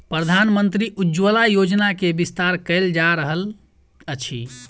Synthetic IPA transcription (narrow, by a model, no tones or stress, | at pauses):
pɾəd̪ʱanmənt̪ɾiʔud͡ʒʋəlajod͡ʒnakebist̪aɾkəɪld͡ʒaɾəɦəl | ət͡ʃʰḭ